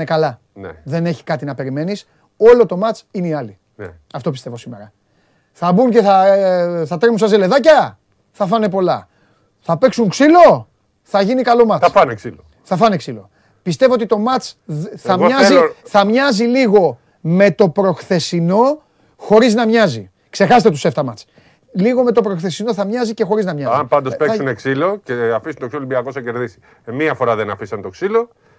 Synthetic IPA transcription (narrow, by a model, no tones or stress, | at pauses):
ekɐlɐ | nðe̞ne̞çi̥kɐt̪inɐpe̞ɾime̞nis | o̞lo̞t̪o̞mɐt͡sineiɐli | ɐft̪o̞pist̪e̞vo̞simḛɾɐ | θɐbuŋce̞θɐθɐt̪emusɐzele̞ðɐcɐ | θɐfɐne̞po̞lɐ̰ | θɐpe̞ksuŋksilo̞ | θɐʝinikɐlo̞mɐɐksil | θɐfɐneksilo̞̰ | pist̪e̞voot̪it̪o̞mɐt͡sθɐmɐziθɐmɲɐziliɣo̞ | me̞t̪o̞pɾo̞xθe̞sino̞ | xo̞ɾiznɐmɲɐzi | kse̞xɐset̪et̪use̞ft̪ɐmɐt͡s | liɣo̞me̞t̪o̞pɾo̞xθe̞sino̞θɐmɲɐzice̞xo̞ɾiznɐmɲɐzmpɐnd̪opesuneksilo̞ceɐfisunt̪oksilolibiɐkosɐceɾðisi̥ | miɐfo̞ɾɐðenɐfisɐnt̪oksilo̞